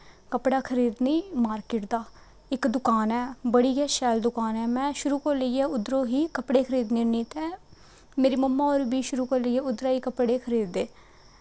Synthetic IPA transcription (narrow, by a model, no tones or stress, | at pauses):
kəpɽaːkʰəɾiːd̪niːmaːɾkɪʈd̪aː | ɪkd̪ʊkaːnɛːbəɽiːɡɛːʃɛːld̪ʊkaːnɛːmɛ̃ːʃʊɾuːkəɾləiːɛːʊd̪ɾoːɦiːkəpɽeːkʰəɾiːd̪niniːt̪ɛː | meːɾiːməmːãːoːɾbiːʃʊɾuːkəɾləiːɛːʊd̪ɾaːɦiːkəpɽeːkʰəɾiːd̪eː